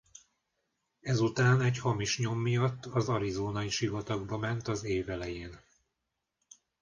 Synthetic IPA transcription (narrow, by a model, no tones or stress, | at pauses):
ɛzut̪aːnɛchɒmiʃɲo̞mːijɒt̪ːɒzɒɾizoːnɒiʃivɒt̪ɒɡbɒmɛnt̪ɒzeːvɛlɛjeːn